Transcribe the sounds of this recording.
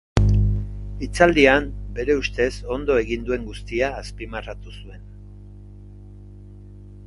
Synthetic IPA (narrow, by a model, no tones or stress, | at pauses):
it͡sald̪iambe̞ɾe̞ust̪e̞so̞nd̪o̞e̞ɣind̪ue̞ŋɡust̪iaːspimarat̪usue̞n